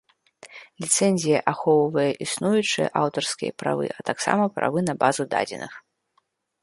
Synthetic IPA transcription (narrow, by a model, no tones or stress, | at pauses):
lʲit̪sɛnʲzʲijɐʔaxɔwvɐjɛʔisnujut͡ʂɨjɐ̰ʔawt̪ɐrskʲijɐ̰pɾa̰vɨ̰ʔɐt̪aksa̰mɐpɾʔa̰vɨnɐbazud̪a̰d͡zʲɛ̰nʔɨ̰x